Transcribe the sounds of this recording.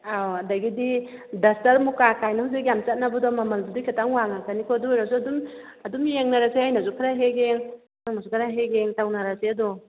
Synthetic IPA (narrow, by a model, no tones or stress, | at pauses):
awadaɡididasaɾmukakajnahuzikjamt͡ʃat̚nabadɔmamald͡ʒudikʰetaŋwaŋakʰanikʰɔdujɾazuadumadumjeŋnaɾaseajnazukʰaɾaɦeɡeŋ | aŋnazukʰaɾaɦeɡeŋtawnaɾaseadɔ